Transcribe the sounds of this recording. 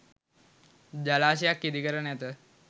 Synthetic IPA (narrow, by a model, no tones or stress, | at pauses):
d͡ʑalaɕijakːit̪iːkəɾəɳjat̪ə